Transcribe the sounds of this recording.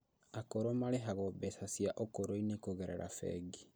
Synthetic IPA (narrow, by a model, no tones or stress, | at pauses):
akoɾomaleɦaɣɔbɛsasjaʔokoɾoinekoɣɛɾɛ̰ɾa̰fɛ̰ɡi